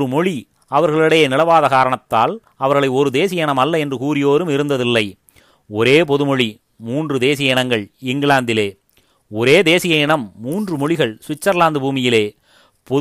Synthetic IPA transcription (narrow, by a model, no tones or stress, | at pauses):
ɯmɔɻi | ɐʋɐɾɣɐɭɪɽɐjɐnɪlɐʋaːðɐkaːɾɐɳɐt̪ːa̰ːl | ɐʋɐɾɣɐɭɐɪɔɾɯd̪eːs̬ɪjɐɪɳɐmɐlːɐɛndrɯkuːɾɪjoːɾɯmɪɾɯnd̪ɐðɪlːɐɪ | ɔɾeːp̬ɔðɯmɔɻi | muːndrɯd̪eːs̬ɪjɐɪɳɐŋɡɐɭɪŋɡɭaːnd̪ɪleː | ɔɾeːd̪eːsɪjɐɪɳɐmːuːndrɯmɔɻɪɣɐɭsʋɪt͡ʃːɐɾlaːnd̪ɯbuːmɪjɪleː | pɔ